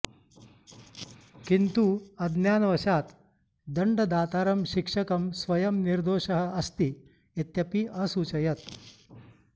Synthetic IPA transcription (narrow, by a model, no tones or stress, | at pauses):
kint̪uɐd̪njaːnɐʋɐʃaːt̪ | d̪ɐɳɖɐd̪aːt̪aːɾɐmʃikʂɐkɐmsʋɐjɐmniɾd̪oːʃɐɦɐ̆ɐst̪i | et̪jɐpiʔɐsuːt͡ʃɐjɐt̪̚